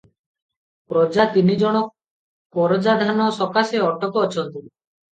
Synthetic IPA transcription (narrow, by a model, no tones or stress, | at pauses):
pɾɔd͡ʒat̪inid͡ʒɔɽ̃ɔ | kɔɾɔd͡ʒad̪ʱanɔsɔkaseɔʈɔkɔːt͡ʃʰɔnt̪i